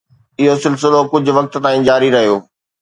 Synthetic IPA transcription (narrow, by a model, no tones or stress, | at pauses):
ɪɦosɪls̬ɪlokʊd͡ʑʱʊ̆ʋɐk̚t̪̆t̪ãːĩːd͡ʑaːɾiɾɐɦijoː